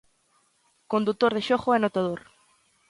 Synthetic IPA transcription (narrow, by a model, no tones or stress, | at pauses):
kond̪ut̪ːoɾðeʃoχoɛnot̪að̞oɾ